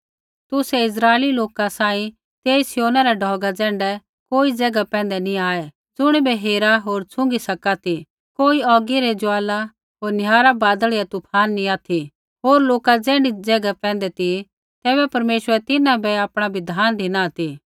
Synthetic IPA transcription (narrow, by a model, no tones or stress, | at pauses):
t̪ʊsɛɪs̬ɾaːeliloːkasaːĩ | t̪eːsɪjoːnaɾaɖʱɔːɡad͡zɛ̃ːɳɖɛ | koːid͡zɛɡapɛ̃ːn̆d̪ɛnĩaːɛ | d͡zʊɽ̃ibɛɦeːɾaɦoːɾt͡sʰʊ̃ŋɡisɐkat̪i | koːiɔːɡiɾɛd͡ʒʊaːla | ɦoːɾnjaːɾabaːd̪əɭijat̪ʊpʰaːnːĩaːt̪ʰi | ɦoːɾloːkad͡zɛ̃ːɳɖid͡zɛːɡapɛ̃ːnd̪ɛt̪i | t̪ɛːbɛpɐɾmeːʃəɾɛt̪ɪnãbɛapɽ̃abʱɪd̪ʱaːnd̪ʱinat̪i